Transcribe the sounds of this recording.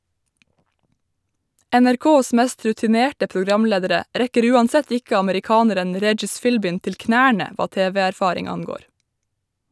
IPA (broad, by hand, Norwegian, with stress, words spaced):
ænæɾˈkoːs ˈmæst ɾʉtɪˈneːʈə pʊˈɡɾɑmˌleːdəɾə ˈɾɛkəɾ ˈʉːˌɑnˌsɛt ˈɪk ɑməɾɪˈkɑːnəɾən ˈɾɛd͡ʒɪs ˈfɪlbɪn ˈtɪl ˈknæːɳə ˈʋɑː ˈteːʋɛæɾˌfɑːɾɪŋ ˈɑŋˌɡoːɾ